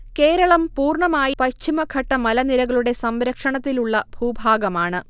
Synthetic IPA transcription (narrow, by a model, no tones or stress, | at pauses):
ke̞ːɾɐɭɐmpuːrɳɐmaːjipɐt͡ɕʰːimɐkʰɐʈːɐmɐlɐniɾɐɣɐɭuɽe̞sɐmɾɐkʂɐɳɐt̪ːiluɭːɐb̥ʱuːbʱaːɡɐmaːɳɨ